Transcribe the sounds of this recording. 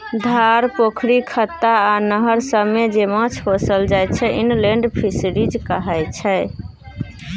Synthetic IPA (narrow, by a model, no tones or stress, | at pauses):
d̪ʱaɾpokʰɾikʰət̪ːaːnəɦəɾsəbmed͡ʒemə̃t͡ʃʰɦosəld͡ʒajt͡ʃʰɛʔinleɳɖpʰisɾid͡ʒkəɦɛjt͡ʃʰɛ